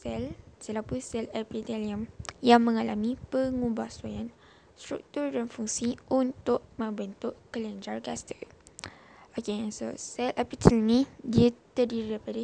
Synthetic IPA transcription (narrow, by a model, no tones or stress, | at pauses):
sɛlsɛlapusɛlɛpit̪ɛliəmjaŋmə̃ŋalamĩpəŋũbahsajan | st̪ɾṵk̚t̪urdanfuŋsiʔunt̪ʊʔ̚mə̃mbənt̪ʊʔkələnd͡ʒarkast̪ik | ʔakenso̰sɛlɛpit̪ʰəlnidiat̪ərdiɾapada